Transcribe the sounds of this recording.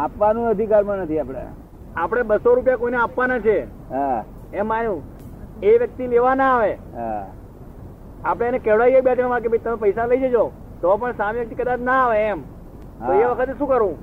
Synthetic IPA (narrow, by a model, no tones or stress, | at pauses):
apʋanũəd̪ʱikaɾmãnət̪ʰiapɽ̃ḛ | apɽ̃ebəsoɾupjakoineapʋanat͡ʃʰe | ɦa | ɛmːanjũ | eʋjək̚t̪ileʋanaːʋe | ɦa̰ | apɽ̃enekɛʋɽajekbjad͡ʒmãʋãk̬ebʱəjt̪əmepəjsaləid͡ʒed͡ʒo | t̪ɔp̬əɳsamiʋjək̚t̪ikəd̪at͡ʃnaːʋeːm | t̪oeʋəkʰət̪̬eʃũkəɾũ